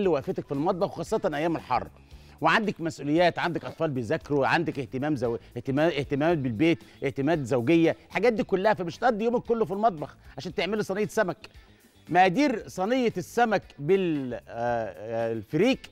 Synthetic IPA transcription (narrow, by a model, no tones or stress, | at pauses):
lːiwæʔfet̪ækfilmɑt̪̚ˤbɑxwxɑːsˤːɑt̪ˤɑnʔæjːæːmelħɑ̰rˤːb | weʕand̪ækmæsʔuːlejːæːt̪ʕand̪ækʔɑt̪ˤfɑːlbejzækːɾoʕand̪ækʔeht̪emæːmzæweh̪æʔeht̪emæːmæːt̪̚belbeːt̪ʔeht̪emæːd̪zæwɡejːæħaɡæːt̪̚d̪iːkolːæhæfæmeʃt̪ʔæd̪ːijoːmkkːolːofilmɑt̪̚ˤbɑxʕaʃæːnt̪eʕmelusˤɑnejːɑsːæmæk | mæʔæd̪iːɾsˤɑnejːɑsːæmækbel | lfeɾiːq